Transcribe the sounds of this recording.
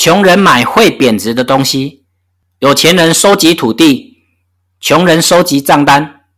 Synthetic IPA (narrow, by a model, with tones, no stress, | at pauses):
t͡ɕʰjʊ˨˥ŋɻə˨˧˦nma˨˩ɪxwe˥˨ɪpjɛ˨˩nt͡sɻ̩˨˦d̪ə˧t̪o˦˥ŋɕi˦ | jo˨˩ʊt͡ɕʰjɛ˨˦nɻə˧˦nso˥ʊt͡ɕi˨˦t̪ʰu˨˩t̪i˥˨ | t͡ɕʰjʊ˨˦ŋɻə˨˦nso˦˥ʊt͡ɕi˨˦t͡sɑ˥˩ŋt̪a˦n